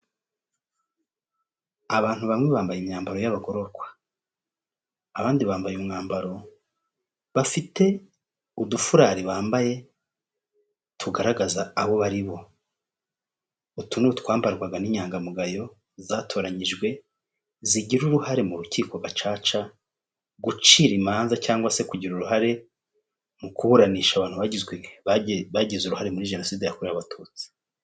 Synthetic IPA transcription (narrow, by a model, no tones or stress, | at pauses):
aβaːn̥huβamŋeβaːmbajimɲaːmbaɾo̞jaβaɡo̞ɾo̞ɾɡwḁ | βaːndiβaːmbajumŋaːmbaɾo̞ | βafite̞ | udufuɾaːɾiβaːmbaje̞ | tʰuɡaɾaɡazaːβo̞βaɾiβo̞ | utunutkwaːmbaɾɡwaɡaniɲaːŋɡamuɡajo̞ | zaːtʰo̞ːɾaɲiʒɡwe̞ | ziɟiɾuɾuhaɾe̞muɾuciːkoɡat͡ʃaːt͡ʃa | ɡut͡ʃiːɾimaːnzacaːŋɡwase̞kuɟiɾuɾuɦaɾe̞ | mukuhuɾaniːʃaβaːnhuβaɟizɡwemeβaβaɟizuɾuhaɾe̞muɾiʒe̞no̞siːdejakuɾijaβatʰuːt͡si̥